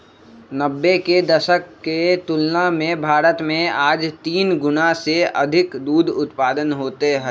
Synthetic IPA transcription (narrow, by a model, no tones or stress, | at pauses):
nəbːeked̪ɐʃəkːet̪ʊlnamẽbʱaːɾət̪mẽaːd͡ʒt̪iːnɡʊnaseɐd̪ʱɪkd̪uːd̪ʊt̪paːd̪ənɦoːt̪eɦɛː